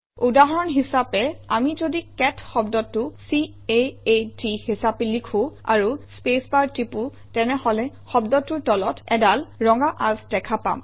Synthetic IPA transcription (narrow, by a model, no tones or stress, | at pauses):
udaɦɔɹɔnɦisapɛamizodikɛtʰxɔbdɔtːʊsi | eetihisapɛlikʰʊ̃a̰ɹuspespaɹtːipʊ | tɛnɛhɔlɛ | xɔbdɔtːʊɹtɔlɔtɛdalɹɔŋɡaʔazdɛkʰapa̰m